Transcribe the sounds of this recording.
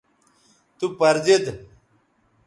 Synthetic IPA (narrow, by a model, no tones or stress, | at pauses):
t̪upɐɾzed̪